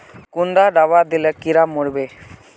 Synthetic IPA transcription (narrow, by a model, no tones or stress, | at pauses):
kund̪aɖabad̪ilekiɾamːuɽbe